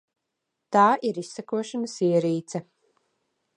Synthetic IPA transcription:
t̪aːʔiɾisːakuɔʃanɐsiɛɾiːt̪sɛ

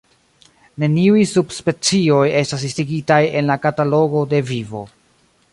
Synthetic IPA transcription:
ne̞niujsubspe̞t͡sio̞je̞stas̬istiɡitaje̞nlakatalo̞ɡo̞de̞vivo̞̰

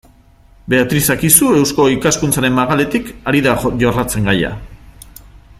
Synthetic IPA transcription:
be̞at̪ɾisakisue̞wsko̞ikaskunt͡saɾe̞maɣale̞t̪ikaɾiðaʝorat͡se̞ŋɡaja̰

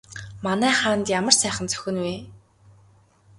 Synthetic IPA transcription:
manæːχaːnt̪jamə̆rsæːχə̆nt͡sœ̥xʲɘ̆nweː

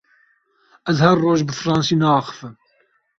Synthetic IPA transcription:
ɛzhærːoːʒbɨfɨɾɑːnsiːnɛɑːxɨ̥fɨm

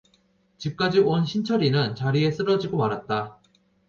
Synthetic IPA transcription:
t͡ɕip̚k͈ad͡ʑiwʌnɕʰint͡ɕʰʌɾinɯnt͡ɕaɾie̞s͈ɯɾʌd͡ʑiɡomaɾɦat̚t͈a

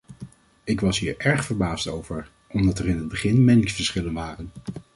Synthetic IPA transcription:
ɪkʋɑsɦiːɹɛɹχfəɹbaːstowv̥əɹ | ʔɔmdɑtərɪnɦəd̚bəχɪnmɪnɪŋsfəɹsχɪlənʋaːrən

